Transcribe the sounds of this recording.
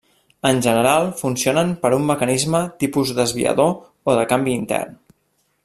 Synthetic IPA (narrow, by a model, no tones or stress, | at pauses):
ənʲʒənəɾalˠfunsionəmpəɾumːəkənizmət̪ipuzd̪əzβḭə̰ðo | oðəkambiːnt̪ɛ̰rn